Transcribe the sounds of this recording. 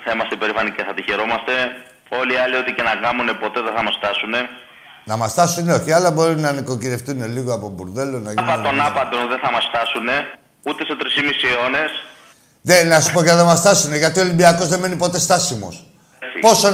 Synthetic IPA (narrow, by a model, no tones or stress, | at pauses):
θɐimɐst̪eipe̞ɾifɐniceθɐt̪içeɾomɐst̪e̞ | o̞liɐlio̞t̪ice̞nɐkɐmune̞po̞t̪e̞ðeθɐmɐsft̪ɐsune̞ | nɐmɐst̪ɐsuneo̞çiɐlɐbo̞ɾunɐniko̞ciðe̞ft̪une̞liɣoɐpobuɾðe̞lonɐʝpɐo̞nɐpɐt̪onðenθɐmɐsft̪ɐsune̞ | ut̪e̞se̞t̪ɾisimisio̞ne̞s | ðenɐsu̥poʝɐðemɐst̪ɐsune̞ʝɐt̪io̞limbiɐko̞zðeme̞nipo̞t̪e̞st̪ɐsimo̞̰s | ipo̞so